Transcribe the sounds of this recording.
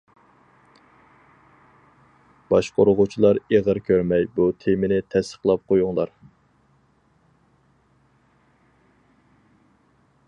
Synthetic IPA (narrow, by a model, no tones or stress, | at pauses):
b̥ɑʃqʰoɾʊʁʊt͡ʃʰilˠɑɾeʁəɾkʲʰøɾmɛjbut̪ʰemɪnɪt̪ʰɛst̪ə̥χlˠɑp̚qʰojuŋlˠɑɾ